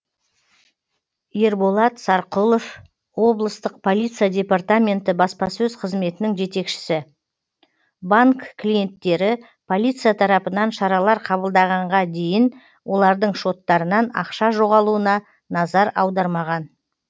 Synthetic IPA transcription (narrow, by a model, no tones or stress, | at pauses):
e̞ɾbo̞lˠɑt̪sɑɾqulˠo̞f | wo̞blˠəst̪əq̚pʰo̞lʲijt̪sijad̪ʲe̞part̪amʲe̞nt̪ɪbɑspɑsɵzqʰəzme̞t̪ɪnɪŋʒe̞t̪e̞kʃɪ̥sɪ | baŋkkʰːlʲije̞nt̪ːe̞ɾɪ | pʰo̞lʲˠijt̪sɨjat̪ʰɑɾɑpənɑnʃɑɾɑlˠɑɾqʰɑβəlˠd̪ɑʁɑɴʁɑd̪e̞jɪn | wʔo̞lˠɑɾd̪əɴʃo̞t̪ːɑɾənɑnɑ̰qʃɑʒo̞ʁɑlˠuənɑ | nɑzɑɾɑwd̪ɑɾmɑʁɑn